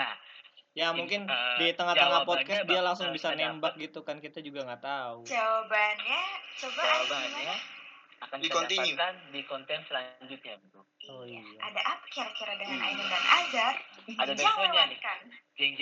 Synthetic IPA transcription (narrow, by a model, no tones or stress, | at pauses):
ajamuŋkɪndit̪əŋaht̪əŋapɔt̪̚kasdialaŋsʊŋbisanembak̚ɡit̪ukankit̪ad͡ʒuɡaŋɡat̪aut͡ʃabanɲat͡ʃobaabaŋɲaakandikɔnt̪iɲukandikɔnt̪ɛnsəlaɲd͡ʒʊt̪̚ɲabit̪ujaadaʔapḁkirkiɾadəŋana̰inəndanʔaɡaradaaɲankand͡ʒɛŋd͡ʒ